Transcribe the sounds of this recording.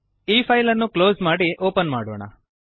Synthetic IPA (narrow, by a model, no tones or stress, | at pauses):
iːpʰɐjlɐnːukloːzmaːɽiʔoːpɐnmaːɽoːɳɐ̰